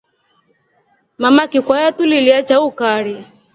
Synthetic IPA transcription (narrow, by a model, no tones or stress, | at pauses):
mamakikwajatuliliat͡ʃaukaɾj